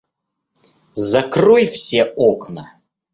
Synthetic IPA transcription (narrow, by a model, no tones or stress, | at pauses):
zɐkrojfsʲeoknə